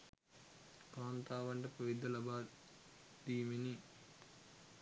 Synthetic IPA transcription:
kaːnt̪aːʋɐɳʈɐpɐʋid̪ɐlɐbaː | d̪iːmini

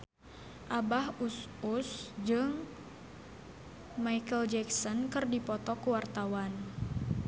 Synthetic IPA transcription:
ʔabahususd͡ʒɨŋ | maikəld͡ʒɛksɔnkərdipɔt̪ɔkuwart̪awan

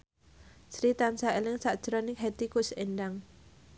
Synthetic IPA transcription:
sɾit̪ansaelɪŋsaʔd̥ʒ̥ɾɔnɪŋɦet̪ikʊsenɖaŋ

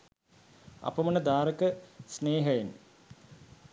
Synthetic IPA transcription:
ɐ̰pːɐmɐnɐd̪aːɾɐkːəsneːɦɐjen

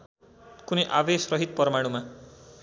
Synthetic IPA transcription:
kuniʔaʋesɾʌɦit̪̚pɔɾmaɽ̃uma

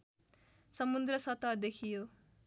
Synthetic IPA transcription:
sʌmund̪ɾʌsʌt̪ad̪ekʰijo

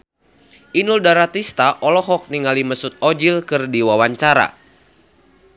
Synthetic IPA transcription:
ʔinuldaɾat̪ist̪aʔɔlɔɦɔk̚niŋaliməsut̪̚ɔd͡ʒilkɨrdiwawaɲt͡ʃaɾa̰

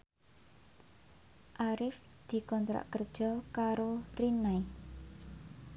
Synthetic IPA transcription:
ʔaɾɪf | d̪̥i̤kɔnt̪ɾa̰ʔkərd̥ʒ̥ɔ̤kaɾorinaj

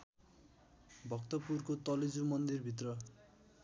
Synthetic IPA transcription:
bʱʌkt̪ʌpurkot̪ʌlid͡zumʌnd̪irbʱit̪̬rʌ

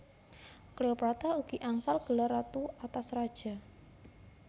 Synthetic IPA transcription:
kleopɾat̪auɡ̥iʔaŋsalɡ̥əlaɾat̪uat̪asrad̥ʒ̥a̤

